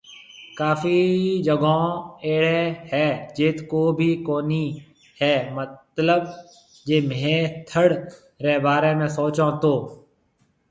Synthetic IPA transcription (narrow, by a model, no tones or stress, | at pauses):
kaːfiːd͡ʒəɡõːeːɽeːhɛːd͡ʒeːt̪koːbʱiːkoːniː | hɛːmət̪ləb | d͡ʒeːmẽːt̪ʰəɽ | ɾeːbaːɾeːmẽːsoːt͡ʃõːt̪oː